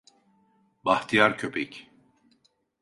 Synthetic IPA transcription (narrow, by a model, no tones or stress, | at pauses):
baht̪ʰijaɾcʰøpʰɛc